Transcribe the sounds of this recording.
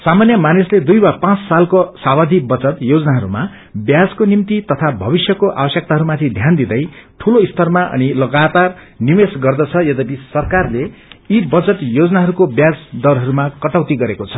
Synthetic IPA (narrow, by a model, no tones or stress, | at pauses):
samanjʌmanisled̪ujbapãt͡ssalkosabad̪ʱibʌt͡sʌt̪jod͡zʌnaɦʌɾuma | bjad͡zkonimt̪it̪ʌt̪ʰabʱʌbisjʌkoʔa̰bʌsjʌk̚t̪aɦʌɾumat̪ʰid̪ʱjand̪id̪ʌjʈʰuloist̪ʰʌrmaʔʌ̰nilʌɡat̪ar | nimesɡʌrd̪ʌt͡sʰʌjʌd̪ʌbisʌrkarleibʌt͡sʌt̪jod͡zʌnaɦʌɾukobjad͡zd̪ʌlɦʌɾumakʌʈʌwt̪iɡʌɾekot͡sʰʌ̥